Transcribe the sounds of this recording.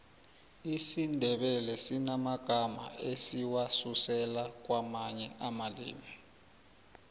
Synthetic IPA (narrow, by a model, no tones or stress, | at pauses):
isindʱɛɓɛlɛsinamaɡ̥ʱama̰esiwasusɛlak̬wamaɲɛʔamalḭːmi